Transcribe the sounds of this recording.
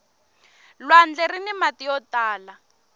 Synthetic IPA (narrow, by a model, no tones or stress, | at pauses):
lwand͡ɮerinimatijɔtaːla